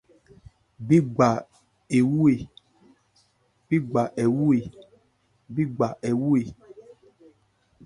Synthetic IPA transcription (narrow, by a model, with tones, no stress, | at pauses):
bi˦ɡ͡ba˨ | e˨wu˦e˨ | b̥i˦ɡ͡ba˨ʔe˨wu˦e˨ | bi˦ɡ͡ba˨ʔɛ˨wu˦e˨